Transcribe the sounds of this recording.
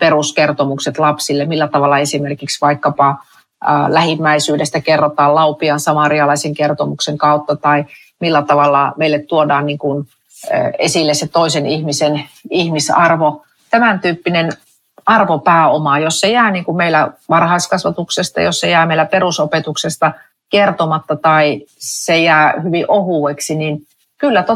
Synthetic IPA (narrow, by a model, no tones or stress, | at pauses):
peruskert̪omukset̪lɑpsilːemmilːæt̪ɑʋɑlːɑesimerkiksʋɑikːɑpɑ | læhimːæisyːdest̪ækerːot̪ɑːllɑupiɑnsɑmɑriɑlɑiseŋkert̪omukseŋkɑut̪ːɑt̪ɑi | milːæt̪ɑʋɑlːɑmeilːet̪t̪uodɑːnniːŋkun | esilːesset̪oisenihmisenihmisɑrʋo | t̪æmænt̪yːpːinen | ɑrʋopæːomɑjossejæːniːŋkummeilæʋɑrhɑist̪kɑsʋɑt̪uksest̪ɑ̰jossejæːmeilːæperusopet̪uksest̪ɑ | kert̪omɑt̪ːɑt̪ɑisejæːhyʋiʔohuˑeksinin | kylːæt̪o